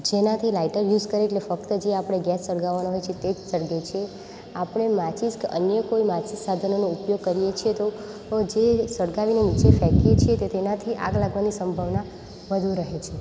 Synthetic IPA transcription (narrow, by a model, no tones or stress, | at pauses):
d͡ʒenat̪ʰilaiʈəɾjud͡ʒkəɾeːʈlefəkt̪əd͡ʒeapəɽ̃eɡɛsːəɽɡaʋanoɦojt͡ʃʰet̪ed͡ʒsəɽɡet͡ʃʰie | apɳ̃emãt͡ʃiskə̰njəkoimat͡ʃissad̪ʱənonoupjoɡ̚kəɾijet͡ʃʰiet̪o | d͡ʒesəɽɡaʋinemit͡ʃefɛkiet͡ʃʰiet̪et̪enat̪ʰiʔa̰ɡlaɡʋanisəmbʱaʋna | ʋəd̪ʱũɾəɦet͡ʃʰe